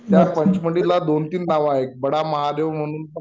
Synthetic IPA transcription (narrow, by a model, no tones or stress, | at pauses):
t̪japəɲt͡ɕməɳɽilad̪ont̪iːnːaʋaɦek̚bəɽaməɦad̪eʋm̤əɽ̃uːnt̪